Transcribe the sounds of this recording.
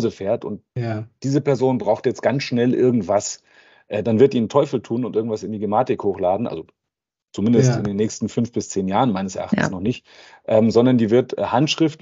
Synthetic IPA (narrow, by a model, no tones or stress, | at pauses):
zəfeːɐtʊ̰ntd̥iːzəpɛɐzoːnbʁaʊxtjɛt͡stɡ̥ant͡sʃnɛlʔɪɐɡŋ̩tv̥as | ʔɛːd̥anvɪɐt̚diːntʰɔʏfl̩tʰuːnʊntʔɪɐɡ̩ŋ̩tv̥asɪndiːɡemaːtɪkhoːxlaːdn̩ʔa̰lzo | t͡sumɪndəstɪ̰ndeːnːɛːçstn̩fʏnfb̥ɪst͡seːnjaːʁənmaɪnəsɛɐʔa̰χtn̩snɔχnɪçt | ʔɛːmzɔndɐndiːvɪɐtɛhantʃʁ̥ɪft